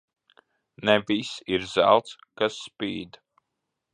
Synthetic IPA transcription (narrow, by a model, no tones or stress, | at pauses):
nɛvisiɾz̥æ̰lˠt̪skasːpiːd̪